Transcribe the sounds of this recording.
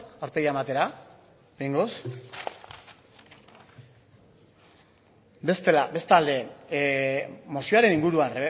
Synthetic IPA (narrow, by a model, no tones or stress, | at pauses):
awɾpe̞jaemat̪e̞ɾa | piŋɡos | be̞st̪e̞labe̞st̪ald̪e̞ | mo̞sioaɾe̞niŋɡuɾua